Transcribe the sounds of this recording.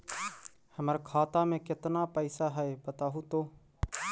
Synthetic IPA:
həməɾkʰaːt̪ãːmẽːkɪt̪naːpəiːsaːɦəeːbət̪aːɦũːt̪oː

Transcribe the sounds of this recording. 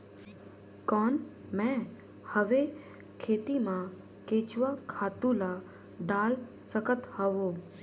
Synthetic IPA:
kɔːnmɛ̃ | həʋe | kʰeːt̪imã | keːt͡ʃʋakʰaːt̪ũla | ɖaːl | səkət̪həʋoː

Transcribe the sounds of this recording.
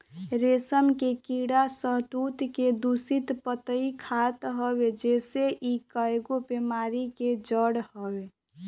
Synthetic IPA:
ɾesəmkekiɽasəɦt̪ut̪ked̪usit̪pət̪əikʰat̪ɦəbed͡ʒeseʔikaeɡopemaɾiked͡ʒəɽhəbe

